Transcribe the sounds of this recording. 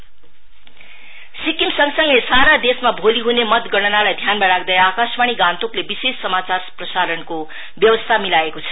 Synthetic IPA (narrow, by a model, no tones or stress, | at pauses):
sikimsʌŋsʌŋlesaɾad̪esmabʱoliɦunemʌt̪ɡʌɽʌnalajd̪ʱjanmaɾak̚ʰd̪ʌjakasmaɽ̃iɡãnt̪oklebisesːʌmat͡sarprʌsaɾʌnko | bjʌbʌst̪ʰamilaekot͡sʰʌ̥